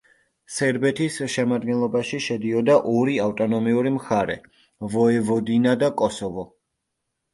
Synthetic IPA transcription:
sɛɾbɛt̪ʰisʃɛmad̪̚ɡɛnlˠɔbaʃiʃɛd̪iɔd̪aʔɔɾiaft̪ʼɔnɔmiuɾimχaɾɛ̰ | vɔɛvɔd̪inad̪akʼɔsɔvɔ

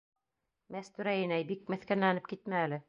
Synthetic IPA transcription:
mæst̪ʉɾæjɘ̆næjbik̚mɘ̆θkænlænɘp̚kit̪̚mæːlɘ

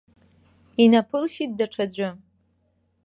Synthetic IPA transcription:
inapʰɨlʃit̚daʈ͡ʂʰad͡ʑʷʊ

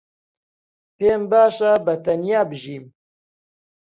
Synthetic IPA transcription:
peːmbaːʃabɐt̪ɐnjaːbɨʒiːm

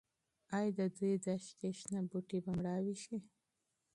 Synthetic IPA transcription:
ɑjd̪əd̪ujd̪aʃkeʃnabuʈibamɽɑwiʃi

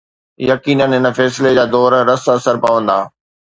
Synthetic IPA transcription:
jɐkiːnənɦɪnə̆fɛːsɪled͡ʑaːd̪ɔːɾːɐsɐsəɾpaʋə̃nd̪aː

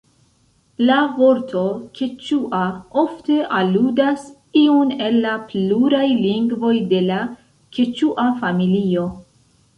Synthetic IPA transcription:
lavo̞ɾtʰo̞kʰet͡ʃuʔaofte̞ʔaludas | iune̞lːapluɾajliŋɡvo̞jde̞la | ke̞t͡ʃuʔafamilio̞

